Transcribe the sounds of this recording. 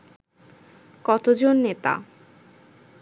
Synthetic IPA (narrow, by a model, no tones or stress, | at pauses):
kɔt̪od͡ʑonːet̪a̰